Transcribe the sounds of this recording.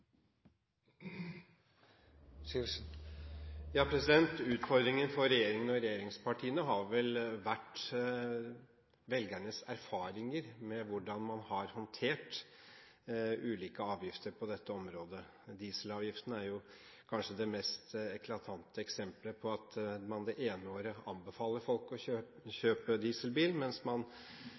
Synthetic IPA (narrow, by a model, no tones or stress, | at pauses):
jɑːpʰɾɛsɪd̪ɛnt̪ʉːt̪fɔɾd̪ɾɪŋənfɔɾɛjeːɾɪŋənɔɾɛjeːɾɪŋspʰɑʈʰiːənəɦɑɾʋɛlʋæʈː | ʋɛlɡæɳəsæɾfɑːɾɪŋəɾmɛʋʊɖɑnmɑnhɑɾhɔnt̪ʰeːʈ | ʉːliːkəɑːʋjɪft̪əɾpʰɔd̪ɛt̪ːəɔmɾoːd̪ə | d̪iːsəlɑːʋjɪft̪ənəæɾjʊ | kʰɑnʂəd̪ɛmɛst̪ɛkʰlɑt̪ʰɑnt̪əɛksɛmpləpʰɔɑt̪mɑnd̪ɛʔeːnəoːɾəɑmbəfɑːləfɔlkɔø | çøːpəd̪iːsəlbiːlmɛnsmɑn